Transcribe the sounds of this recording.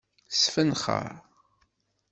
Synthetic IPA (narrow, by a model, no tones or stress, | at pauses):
sfənχə̰ɾ